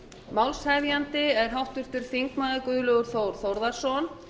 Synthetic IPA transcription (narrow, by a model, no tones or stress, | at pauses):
mawlshavjant̪ɪɛɾ̥ɦawht̪ʏɾ̥t̪ʏɾ̥θiŋkmaðakʏːðʏlœɣʏɾ̥θoːwɾ̥θowɾðḁsɔn